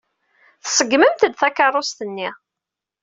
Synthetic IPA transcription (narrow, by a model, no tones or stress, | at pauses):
θəsəɡməmt̪əd̪θækːɑrˤːost̪ənːi